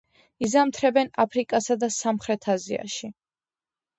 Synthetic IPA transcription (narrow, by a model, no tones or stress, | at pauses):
izamt̪ʰɾɛbɛnapʰɾikʼasad̪asamχɾɛt̪ʰazia̰ʃi